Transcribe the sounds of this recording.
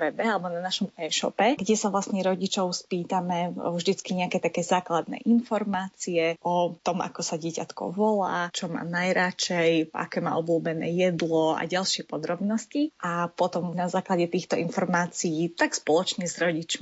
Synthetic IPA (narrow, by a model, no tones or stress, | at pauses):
ʋɛbɛalɛbɔnanaʃɔmɛːʃɔ̰pɛɡɟɛsavlasɲɛɾɔɟit͡ʃɔʊspiːt̪amɛvʒd̪it͡skiɲɛakɛːt̪akɛːzaːklad̪nɛ̰ʔinfɔɾmaːt͡siɛʔɔt̪ɔmʔa̰kɔsaɟɪɛcat̪kɔ̰ʋɔla̰ːt͡ʃɔma̰ːnajɾat͡ʃɛja̰kɛːma̰ːʔɔbluːbɛnɛ̰ːjɛd̪lɔa̰ɟalˠʃɪɛpɔd̪ɾɔbnɔsciʔapɔt̪ɔmnazaːklaɟɛt̪iːxt̪ɔʔinfɔɾmaːt͡sijiːt̪akspɔlɔt͡ʃɲɛzɾɔɟit͡ʃmi